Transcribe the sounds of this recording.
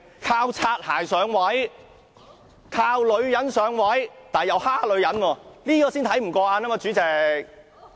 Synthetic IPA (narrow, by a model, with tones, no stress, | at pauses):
kʰaː˧wt͡sʰaː˧t̚ha̰ː˨˩jsœː˨˧ŋwɐ˨˥j | kʰaː˧wlɵ˨˧ɥjɐ˨˦˥nsœː˨˧ŋwɐ˨˥jt̪aː˨˩jɐ˨˧whaː˥k̚lɵ˨˧ɥjɐ˨˥nwɔː˧liː˥kɔː˧siː˥nt̪ʰɐ˨˥jm̩˨˩kɔː˧aː˧naː˥maː˧t͡ʃyː˨˥t͡sɛ˨˧k̚